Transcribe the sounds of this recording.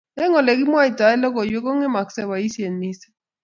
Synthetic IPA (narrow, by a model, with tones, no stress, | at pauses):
ɛ˦ŋɔ˨lɛ˨ki˦mwa˦i˨ta˨ɛ˦lɔ˦kɔ˨jwɛ˦kɔ˦ŋɛ˦ma˨ksɛ˦wa˨i˦sje˨nːi˦sɛ̥˦